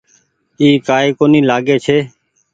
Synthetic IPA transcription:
iːkaːeːkoːnĩːlaːɡeːt͡ʃʰeː

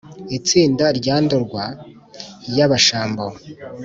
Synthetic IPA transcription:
it͡siːndaɾɟaːndoɾɡwa | jaβaʃaːmbawo

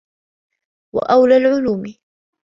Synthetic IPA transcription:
wa̰ʔawlalʕʊluːmɪ

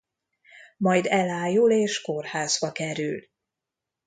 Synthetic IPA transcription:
mɒjd̪ɛlaːjuleːʃko̞rhaːzbɒkɛɾyl

